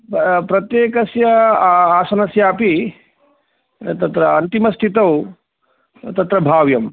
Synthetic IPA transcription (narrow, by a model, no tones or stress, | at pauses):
pɾɐt̪jeːkɐsjɐaːsɐnɐsjaːpi | t̪ɐt̪ɾɐɐnt̪imɐst̪ʰit̪ɐw | t̪ɐt̪ɾɐbʱaːʋjɐm